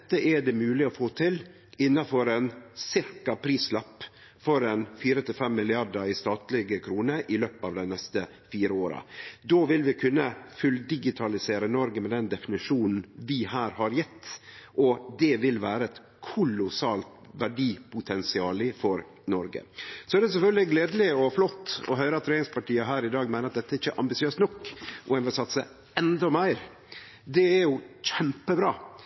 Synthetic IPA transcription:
t̪ːəʔɛɖɛmʉːlɪɔfoːt̪ʰɪl | ɪnːɑfɔɾɛnsɪɾkɑpʰɾiːslɑpː | fɔɾɛnfiːɾət̪ʰɪlfɛmːɪlɪɑɖəɾɪst̪ɑːt̪lɪɡəkʰɾuːnəɾʔɪløːpɑːʋd̪ɛɪnɛst̪ə | fiːɾəoːɾɑ̰d̪oːʋɪlʋɪkʰʉnːəfʉld̪ɪɡɪt̪ʰɑlɪseːɾənɔɾɡəmɛd̪ɛnd̪ɛfɪnɪʂuːnn̩ʋɪɦæːɾhɑɾjɛt̪ːʔɔd̪ɛʋɪlʋæːɾəɛt̪ | kʰʊlʊsɑːlt̪ʋæɖiːpʰʊt̪ʰɛnsɪɑːlɪfɔɾ | nɔɾɡə̰sɔæɖɛsɛfœlɡ̪lɪɡleːd̪əlɪɔflɔt̪ːɔ̰ɦœʏɾəɑt̪ʰːɾeːnɪŋspʰɑʈiːəɦæːɾɪd̪ɑːɡmæɪnəɾɑt̪d̪ɛt̪ːəæɾɪçːəʔɑmbɪsɪøːst̪nɔkːʔʊænʋɪlsɑt̪ːsə | ɛnd̪ɔmæɪɾ | d̪ɛæɾjʊçɛmpəbɾɑː

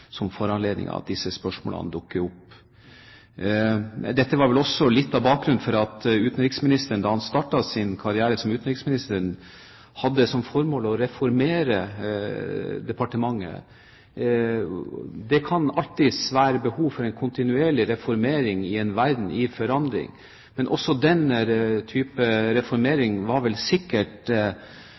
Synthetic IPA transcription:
sɔmfɔɾɑnleːd̪nɪ̰ŋɑ̰ɑ̰t̪̚d̪ɪsːəspœʂmo̰ːlə̰nd̪ʊkːəɾʊpː | d̪ɛt̪ːəʋɑɾʋɛlɔsːɔlɪt̪ːɑbɑːk̚ɡɾʉnfɔɾɑt̪ʉːt̪n̩ɾɪksmɪnɪst̪əɳ̩d̪ɑhɑnst̪ɑʈːɑsɪnkʰɑɾɪæːɾəsɔmʉːt̪n̩ɾɪksmɪnɪst̪əɾɳ | hɑd̪ːəsɔmfɔɾmoːlɔɾɛfɔɾmeːɾə | d̪ɛpɑʈəmɑŋːə̰ | d̪ɛkʰɑnɑlt̪ɪsʋæːɾəbəhuːʋfɔɾɛnkʰʊnt̪ɪnʉeːɭɪɾɛfɔɾmeːɾɪŋɪɛnʋæɾd̪n̩ɪfɔɾɑnd̪ɾɪ̰ŋ | mɛnʔɔsːɔd̪ɛnːəɾt̪ʰyːpəɾɛfɔɾmeːɾɪŋʋɑɾʋɛlsɪkːəʈ

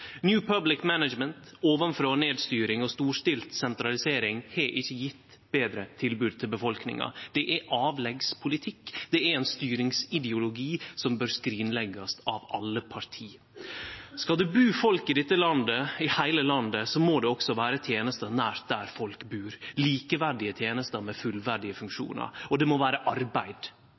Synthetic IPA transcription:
njʉːpʰɑblɪkmænəd͡ʒmənt̪oːʋənfɾoːneːd̪st̪yːɾɪŋɔst̪uːʂtɪlt̪sɛnt̪ɾɑlɪseːɾɪŋheʔɪçːəjɪt̪ː | b̥eːd̪ɾət̪ʰɪlbʉːd̪̚t̪ʰɪlbəfɔlknɪ̰ŋɑ̰d̪̥ɛʔæʔɑːʋlɛɡspʰʊlɪt̪ʰɪkːd̪̥ɛæɾɛnst̪yːɾɪŋsɪd̪ɛʊlʊɡiːsɔmbøːɾskɾiːnlɛɡɑsɑʋɑlːəpʰɑɾt̪ʰiː | skɑld̪ʉbʉːfɔlkɪd̪ɛt̪ːəlɑnd̪əɪhæɪləlɑnd̪əsɔmoːd̪ɛɔksɔʋæːɾət̪ʰjeːnəst̪ənæːɾ̚d̪æ̰ɾfɔlkbʉːɾliːkəʋæɖɪət̪ʰjeːnəst̪əmɛfʉlʋæɖɪəfʉŋkʂṵːnə̰ɾɔd̪ɛmɔʋæːɾəʔɑɾbæɪd̪

